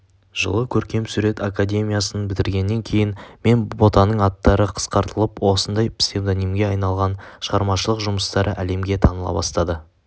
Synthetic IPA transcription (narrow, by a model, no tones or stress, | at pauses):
ʒ̥ə̰lˠəkʲʰɵɾkʲe̞msuɾe̞t̪akad̪ʲe̞mʲijasənbɪt̪ɪɾɡʲe̞nːe̞ŋkʲʰe̞jɪnme̞nbo̞t̪ɑnəɴɑt̪ːɑɾəqʰə̥sqɑɾt̪əlˠəpwo̞sənd̪ɑjpsʲt̪e̞md̪onimɡʲe̞ɑjnɑlˠʁɑnʃəʁɑɾmɑʃəlˠəqʒʊməst̪ɑɾəʔæle̞mɡʲe̞t̪ʰɑnəlˠɑ̰bɑ̰st̪ɑd̪ə